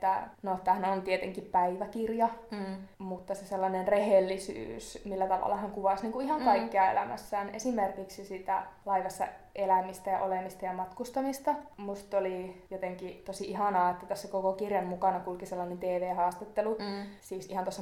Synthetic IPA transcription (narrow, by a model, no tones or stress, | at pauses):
t̪ːænot̪ːæhneont̪iet̪eŋkippæiʋækirjɑ | mut̪ːɑseselːɑnenrehelːisy̰ːsmilːæt̪ɑʋɑ̰lːˑɑhɑŋkuʋɑsniːŋkuihɑŋkɑikːiɑḛlæmæ̰sːæːnʔesimerkiksisiːt̪æ̰lɑiʋɑsːɑ̰ | ʔelæmist̪æjɑʔolemist̪ɑjɑmɑt̪kust̪ɑmist̪ɑmust̪olijot̪eŋkit̪osiiɦɑnɑːet̪ːæt̪æsːækokokirjɑmmukɑnɑkulkiselːɑnent̪eːʋeːhɑːst̪et̪ːelusiːsihɑnt̪osːɑ